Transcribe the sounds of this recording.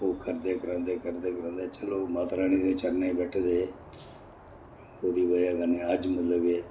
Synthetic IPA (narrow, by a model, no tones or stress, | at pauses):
oːkəɾd̪eːkəɾə̃ːnd̪eːkəɾd̪eːkəɾə̃ːnd̪eːt͡ʃəloːmaːt̪ɾaːñiːd̪eːt͡ʃəɾneːĩːbɛːʈʰd̪eː | oːd̪iːʋəjaːɡəneːəd͡ʒmət̪ləbeː